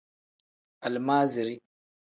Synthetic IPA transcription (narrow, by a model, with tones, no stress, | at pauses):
ʔa˨lmaː˦zi˨ɾi˦